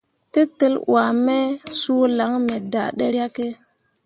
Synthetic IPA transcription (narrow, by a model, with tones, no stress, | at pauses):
te˦te˦lwa˨me˦su˦la˨˦ŋme˨da̰˨ɗe˦ɾa˦ke˦